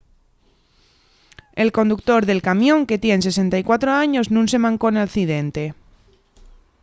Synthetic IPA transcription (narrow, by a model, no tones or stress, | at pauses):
e̞lko̞nd̪uk̚t̪o̞ɾðe̞lkamjõ̞ŋke̞t̪je̞nse̞s̬e̞nt̪ajkwat̪ɾoaɲo̞znũnse̞mãŋko̞enalθiðe̞nt̪e̞